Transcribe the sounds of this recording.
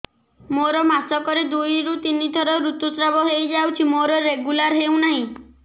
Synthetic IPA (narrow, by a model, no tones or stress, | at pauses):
moɾɔmasɔkɔɾed̪ujɾut̪inid̪ʱɔɾɔɾut̪usɾabɔɦejd͡ʒawt͡ʃʰimoɾɔɾeɡulaɾɦew̃naɦĩ